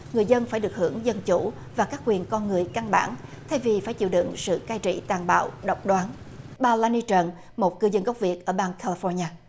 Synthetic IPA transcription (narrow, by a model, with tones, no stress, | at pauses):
ŋɨ˨˩əjzə˧nfaː˧˩jɗɨ˨˩ək̚hɨ̰˧˩əŋzə˧nt͡ɕu˧˥ | vaː˨˩kaː˦˥k̚kwi˨˩ənkɔ˧nŋɨ˨˩əjka˧nɓa̰ː˧˩nt̪ʰɛ˧jvi˨˩faː˧˩jt͡ɕḭ˧˨wɗɨ̰˧˨ŋsɨ̰˧˨kaː˧jt͡ɕḭ˧˨t̪aː˨˩nɓa̰ː˧˨wɗə˨˩wk͡p̚ɗwaː˨˦n | ɓaː˧laː˧ni˧t͡ɕə˨˩n | mo˨˩t̚kɨ˧zə˧nɣə˦˥wk͡p̚vi˨˩ət̚ʔəː˧˩ɓaː˧nkʰaː˧li˧fɔ˧ɲaː˧